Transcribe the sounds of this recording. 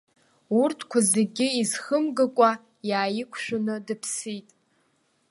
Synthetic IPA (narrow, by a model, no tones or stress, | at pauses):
urtʰkʷʰazeɡʲɪizχəmɡakʷʼa | jaːjɪkʷʰʃᶣʊnɨdɨpʰsitʼ